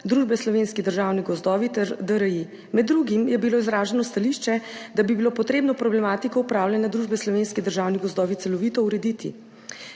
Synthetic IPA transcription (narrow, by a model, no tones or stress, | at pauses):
d̪ɾuːʒbɛslɔʋeːnskid̪əɾʒaːwniɡɔzd̪ɔːʋit̪ɛɾd̪əɾəi | mɛd̪ːɾuɡimjɛbiloizɾaːʒɛnɔst̪aliʃt͡ʃɛd̪abibilopɔt̪ɾeːbnɔpɾɔblɛmaːt̪ikɔupɾaːwljɛnad̪ɾuːʒbɛslɔʋeːnskid̪əɾʒaːwniɡɔzd̪ɔːʋit̪sɛlɔʋiːt̪ɔuɾɛd̪it̪ʰḭ